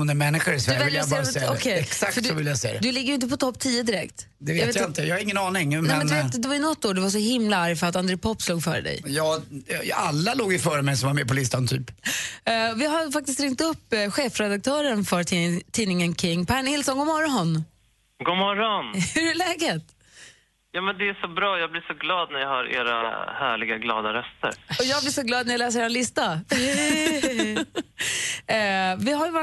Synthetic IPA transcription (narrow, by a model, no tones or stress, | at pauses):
hʊnɛmɛnːɪɧəɾɪsvɛvvɪljabɑːɾaɛjɔkʰɛjɛksakfœdsɔvɪljasɛjad̪ɛd̪ɵlɪɡːəɾjʏɪnt̪əpɔt̪ʰɔpːt̪ʰiːəd̪ɪɾɛkt̪ | d̪ɛvetet̪jaaɪnt̪əjɑhaɾɪŋːənɑːnɪŋmɛɛmɛnt̪d̪ɛvajʏnɔt̪ːoːɖɛvaʂɔhɪmlaaɾfœɾat̪and̪ɾeːpʰɔpːsluːɡfœ̰ːɾə̰d̪ɛ̰jjɑː | alːaloːɡɪfœːɾəmɛjsɔmvaɾmɛpʰɔlɪst̪ant̪ʰy̰ːp | vɪɦafak̚t̪ɪst̪ɾɪŋt̪ɵpːɧeːfɾɛd̪ak̚t̪ʰœːɾənfœt̪ʰiːnɪŋənkʰɾɪŋːpʰæɳhɪlsɔnɡoːmɔɾɔn | ɡoːmɔɾɔnhɵɾɛlɛːɡət̪ | jɑːmɛnd̪ɛæʂɔbɾɑːjɑːɡ̚blɪʂɔɡlɑːd̪næɾjɑhɑɾḛːɾa̰hæ̰ːɭɪɡaɡlɑ̰ːd̪aɾœst̪ə̰ɾɔjɑːɡblɪːʂɔɡlɑːd̪næɾjɑlɛːs̬əɾeːɾalɪst̪a | vɪɦajva